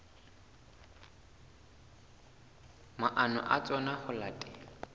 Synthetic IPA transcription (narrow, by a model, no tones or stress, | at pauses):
maʔanʊ̰ʔat͡sʼɔnaχʊlatʼɪ